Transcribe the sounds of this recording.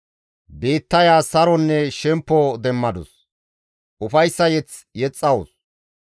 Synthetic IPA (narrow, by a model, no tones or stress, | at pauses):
be̞ːt̪ːɐjaːsɐɾɔnːɛʃɛmpːɔd̪ɛmːɐd̪ʊs | ʊfɐjsːɐjɛt͡sjɛt͡sʼːɐwʊs